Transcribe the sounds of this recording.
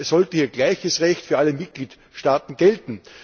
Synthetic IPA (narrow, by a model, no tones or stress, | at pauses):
sz̥ɔltəhiːɐɡlaɪçəsʁɛçtfyːɐʔaləmɪt̚ɡ̥liːt | ʃtaːtn̩ɡ̥ɛltn̩